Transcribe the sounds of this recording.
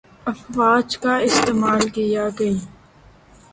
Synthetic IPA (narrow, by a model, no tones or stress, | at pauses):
ɐfwaːd͡ʒkaɪst̪eːmaːlkɪjat̪e